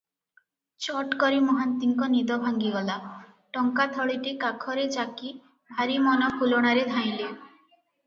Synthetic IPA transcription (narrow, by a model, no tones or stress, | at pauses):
t͡ʃɔʈkɔɾimɔɦant̪iŋkɔnid̪ɔbʱaŋɡiɡɔla | ʈɔŋkat̪ʰɔɭiʈikakʰɔɾed͡ʒaki | bʱaɾimɔnɔpʰuloɽ̃aɾed̪ʱaj̃le